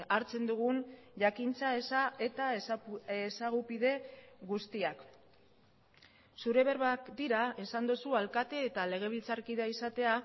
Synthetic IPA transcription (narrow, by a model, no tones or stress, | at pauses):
aɾt͡se̞nd̪uɣ̞unʝakint͡saesae̞t̪aesesaɣ̞upiðe̞ɣust̪iak | suɾe̞β̞eɾβakd̪iɾae̞sand̪usualkat̪e̞ːt̪ale̞ɣ̞e̞β̞ilt͡saɾkiðaisat̪e̞a